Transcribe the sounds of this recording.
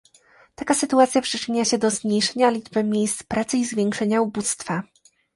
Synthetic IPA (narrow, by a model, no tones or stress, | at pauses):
t̪akasɘt̪uat̪sʲjapʂɘt͡ʂɘɲaɕɛd̪ɔzmɲejʂɛɲalʲid͡ʐbɘmʲjejst̪spɾat̪sɘizvʲjɛŋkʂɛɲaubust̪fa